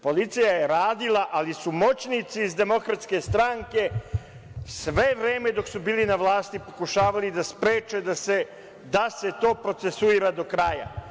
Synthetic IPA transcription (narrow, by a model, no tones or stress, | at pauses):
po̞lit̪sijaje̞ɾaːd̪ilaʔalisumo̞t͡ɕnit̪siːzd̪e̞mo̞kɾat̪ske̞st̪ɾaŋke̞ | sʋe̞ʋɾe̞ːme̞d̪o̞ksubiːlinaʋlˠaːst̪ipo̞kuʃaːʋalid̪aspɾe̞ːt͡ʃed̪ase | d̪ase̞t̪o̞ːpɾo̞t̪se̞suiːɾad̪o̞kɾaja̰